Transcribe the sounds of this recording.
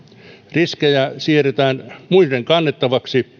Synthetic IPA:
riskejæsieret̪æːnmuireŋkɑnːet̪ːɑʋɑksi

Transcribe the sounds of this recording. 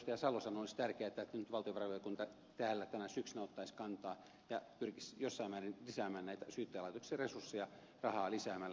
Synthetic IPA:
st̪ɑjɑsɑlosɑnolist̪ærkeæːet̪ːæet̪ːænyt̪ʋɑlt̪ioʋɑrʋoɑkunt̪ɑ | t̪æːlːæt̪ænæsyksynæot̪ːɑiskɑnt̪ɑː | jɑpyrkisjosːɑimːæːrinlisæːmæːnnæit̪æsyːt̪ːelɑˑit̪oksiɑresursːejɑ | rɑhɑːlisæːmælː

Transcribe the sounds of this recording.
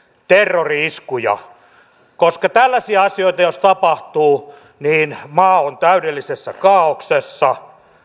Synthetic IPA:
t̪erːoriiskujɑ̰ | koskɑt̪ælːæsiæɑsioit̪ɑjost̪ɑpɑht̪uː | niːnmɑːont̪æydelːisesːækɑːoksesːɑ

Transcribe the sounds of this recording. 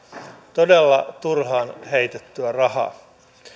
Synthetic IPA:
t̪o̞delːɑt̪urɦɑːnɦejt̪et̪ːyærɑɦɑ̰ː

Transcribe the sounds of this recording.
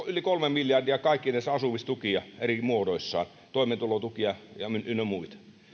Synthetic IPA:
ylikolmemmiljɑrdiɑkɑikːinæˑisɑsuʋist̪ukiɑerimuodoisːɑ̰ːn | t̪oˑiment̪ulot̪ukiɑjɑmynʔynømuit̪ɑ̥

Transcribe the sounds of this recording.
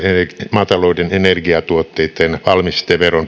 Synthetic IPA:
emɑːt̪ɑloudenenerɡiɑt̪uot̪ːeit̪ːenʋɑlmist̪ːˑeʋʋeron

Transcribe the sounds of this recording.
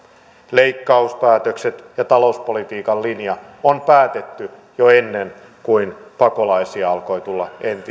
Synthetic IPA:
leikːɑuspæːt̪økset̪jɑt̪ɑlouspolit̪iːkɑllinjɑonpæːt̪et̪ːy | joenːen | kuinpɑko̞lɑisiɑɑlko̞it̪ulːɑent̪i

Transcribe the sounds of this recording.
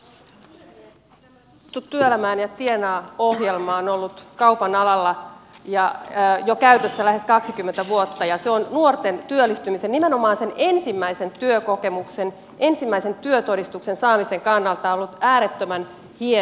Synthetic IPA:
t̪ut̪tːyølæmæːnjɑt̪ienɑːohjelmɑonolːut̪kɑuwpɑnɑlɑlːɑjɑjokæyt̪øsːælæhe̞skɑksikymːent̪æʋuot̪ːɑjɑseonnuort̪ent̪yølːist̪ymise̞nnime̞no̞mɑːnse̞ne̞nsimːæise̞nt̪yøko̞ke̞mukse̞n | ʔe̞nsimːæise̞nt̪yøt̪o̞dist̪ukse̞nsɑːmise̞ŋkɑnːɑlt̪ɑolːut̪æːɾet̪ːømæn | hie

